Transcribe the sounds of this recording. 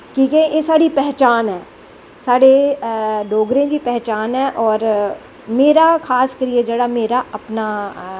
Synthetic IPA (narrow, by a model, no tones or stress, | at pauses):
kiːkẽjesaːɽipɛɦt͡ʃaːnɦɛː | saːɽe | ɖoːɡɾẽkipɛɦt͡ʃaːnɦɛʔɔːɾ | meːɾakʰaːskɐɾijẽd͡ʒɐɽameːɾaɐpna